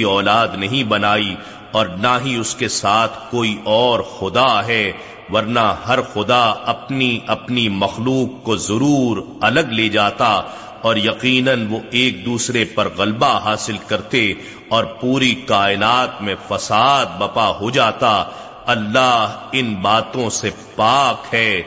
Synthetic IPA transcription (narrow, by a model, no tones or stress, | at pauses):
iɔːlaːd̪nɐɦĩbɐnaːi | ɔːɾnaɦiʊskesaːt̪ʰkoːiʔɔːɾxʊd̪aɦɛ | ʋɐɾnaɦɐɾxʊd̪aɐpniɐpnimɐxluːqːozɐɾuːɾ | ɐləɡleːd͡ʒaːt̪a | ɔːɾjɐqiːnənʋoeːk̚d̪uːsɾepɐɾɣɐlbaɦaːsɪlkɐɾt̪e | ɔːɾpuːɾikaːɪnaːt̪mẽfɐsaːd̪̚bɐpaɦod͡ʒaːt̪a | ɐlːaːɦɪnbaːt̪õse | paːkɦɛː